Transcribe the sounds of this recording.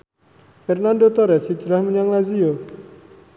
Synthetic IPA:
fɛrnandot̪oɾɛsi̥d͡ʒɾahməɲaŋlazio

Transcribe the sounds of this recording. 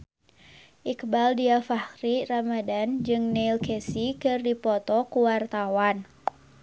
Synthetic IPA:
ʔikbaldiafahɾiramadand͡ʒɨŋnɛilkɛsikɨrdipɔt̪ɔkuwart̪awan

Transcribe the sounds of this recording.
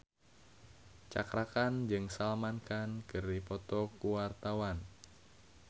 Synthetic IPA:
t͡ʃa̰kɾakand͡ʒɨŋsalmankankɨrdipɔt̪ɔkuwart̪awan

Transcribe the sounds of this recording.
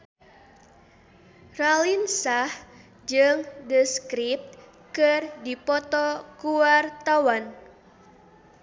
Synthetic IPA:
ralinsah | d͡ʒɨŋdəskɾip̚t̪̚ | kɨrdipɔt̪ɔkuwart̪awan

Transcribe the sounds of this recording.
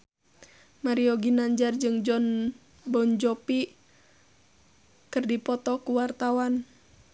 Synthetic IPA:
maɾiɔɡinaɲd͡ʒard͡ʒɨŋd͡ʒɔn | bɔɲd͡ʒɔpi | kɨrdipɔt̪ɔkuwart̪awan

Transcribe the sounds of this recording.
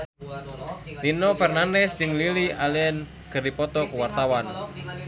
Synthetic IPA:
linɔfɛrnandɛsd͡ʒəŋlilialiɛn | ɡ̥əripɔt̪ɔkuwart̪awan

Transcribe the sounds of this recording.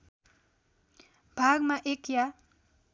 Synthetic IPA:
b̥ʱaɡmaʔekja

